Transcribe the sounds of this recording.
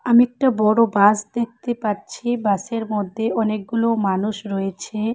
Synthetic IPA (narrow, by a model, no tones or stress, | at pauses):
amiɛk̚ʈabɔɽobasd̪ek̚ʰt̪epaɾt͡ɕʰibaseɾmod̪ʱːeʔɔnek̚ɡulomanuʃɾɔjet͡ɕʰe